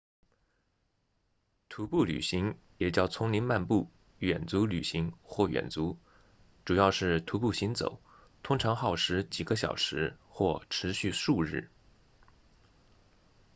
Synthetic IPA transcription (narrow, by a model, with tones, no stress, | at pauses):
t̪ʰu˧˥pu˥˩ly̰˨˩ɕi˧˥ŋ | jɛ˨˩t͡ɕjɑ˥˩ʊt͡sʰʊ˧˥ŋli˧˥nma˥˧npu˥˩ | ɥɛ˨˩nt͡su˧˥ly˨˩ɕi˧˥ŋxwɔ˥˩ɥɛ̰˨˩nt͡su˧˥ | ʈ͡ʂu˨˩jɑ˥˧ʊʂɻ̩˥˩t̪ʰu˧˥pu˥˩ɕi˧˥nt͡so̰˨˩˦ʊ | t̪ʰʊ˥ŋʈ͡ʂʰɑ˧˥ŋxɑ˥˩ʊʂɻ̩˧˥t͡ɕi˨˩ɡə˦ɕ̬jɑ̰˨˩ʊʂɻ̩˧˥xwɔ˥˩ʈ͡ʂʰɻ̩˧˥ɕy˥˧ʂu˥˧ɻɻ̩˥˩